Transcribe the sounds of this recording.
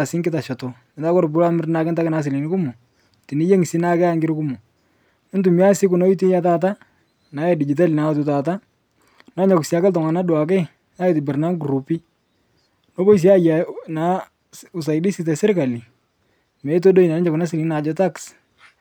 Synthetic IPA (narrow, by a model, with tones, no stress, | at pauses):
a˨sɪ˦ŋɡɪ˦ta˨ʃɔ˨tɔ˨ | ɪ˨nda˦kɔ˦ɾbu˦ɾa˦mɪ˦rna˦kɪ˦nta˦kɪ˦na˨˦s̬ɪ˨li˨nɪ˦ku˦mu˨ | ti˨ni˦je˦ŋ˨si˦na˦kɛ˦a˦ŋɡɪ˦ɾku˦mu˨ | ɪ˦ntu˨mi˦a˦sɪ˦ku˨nɔ˦i˦t̬i˦ja˦taː˦t̬a˦ | na˨jɛ˦˨di˨d͡ʒi˨t̬a˦li˨na˨˦tu˨ta˨t̬a˦ | nɔ˦ɲɔ˨ksa˦kɛ˦ltɔ˨ŋa˨na˦dwa˨kɛ˦ | na˦i˨tɪ˨bɪ˨rna˦ŋɡɾu˨pi˦ | no˦bɔ˦i˨s̬i˦a˦ja˨na˨˦ | u˨s̬a˨i˨di˦si˦tɛ˨sɪ˦ɾka˨li˨ | mɛ˨˦t̬o˦do˦i˨na˨nɛ˦d͡ʒɔ˨ku˨na˦s̬ɪ˨li˨˦na˨d͡ʒɔ˦ta˦ks